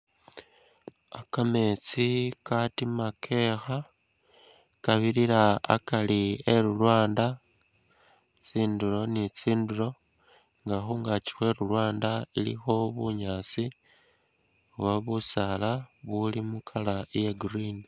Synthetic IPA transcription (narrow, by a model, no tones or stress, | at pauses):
akame̞t͡sikatimakʰe̞xa | kaβiɾiɾa̰ːkalieɾulwaːnda | t͡siːndulo̞nit͡siːnduɾo̞ | ŋɡaxoŋɡat͡ʃi̥xwe̞ɾulwaːndailḭxo̞βuɲaːt͡si | waβusalaβulimukʰalajeɡrini